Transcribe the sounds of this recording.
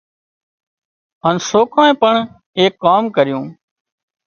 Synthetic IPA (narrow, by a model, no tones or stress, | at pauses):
ɦaːnsoːkʰaːẽːpəɳ | eːkːaːmkəɾɪjũː